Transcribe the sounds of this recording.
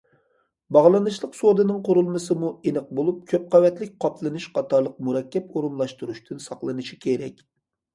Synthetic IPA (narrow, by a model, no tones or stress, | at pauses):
bɑʁlˠɨnɨʃlˠəqsod̪ɨnɨŋqʰoɾulˠmɨsɨmuenɨq̚bolˠup̚kʲʰøp̚qɑvɛt̪lɪk̚ʲqʰɑpʰlˠɨnɨʃqʰɑt̪ʰɑɾlˠəq̚muɾɛkʲʰːɛpoɾunlˠɑʃt̪uɾuʃt̪ʰɨnsɑχlˠɨnɨʃi̥kʲʰeɾɛkʲ